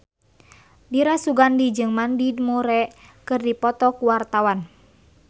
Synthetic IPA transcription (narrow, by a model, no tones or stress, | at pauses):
diɾasuɡandid͡ʒɨŋmandid̚muɾɛʔkɨrdipɔt̪ɔkuwart̪awan